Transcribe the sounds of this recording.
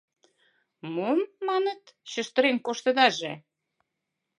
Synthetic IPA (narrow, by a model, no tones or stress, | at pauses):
momːɑnə̆t̪ɕə̆ʃt̪ə̆ɾenkoʃt̪ə̆d̪ɑʒe